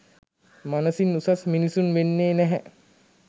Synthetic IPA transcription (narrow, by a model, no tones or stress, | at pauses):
manəsinːusasminisunʋenːeːnɛɦɛ